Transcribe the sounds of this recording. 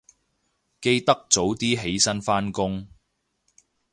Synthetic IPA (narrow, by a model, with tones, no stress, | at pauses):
ke˧jt̪ɐ˥k̚t͡so˨˥wt̪iː˥ɦe˨˥jsɐ˥nfaː˥nkʊ˥ŋ